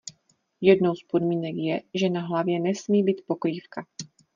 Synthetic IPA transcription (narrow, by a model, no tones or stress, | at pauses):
jɛdno̞wspo̞dmiːnɛkjɛʒɛnaɦlavjɛnɛsmiːbiːt̪̚po̞kɾiːfka